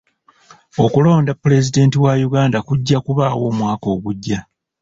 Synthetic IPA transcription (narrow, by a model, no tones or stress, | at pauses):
o̞kulo̞ːndapːule̞zide̞ːntiwajuɡaːndakuɟːakuβaːwo̞ːmwaːko̞ːɡuɟːa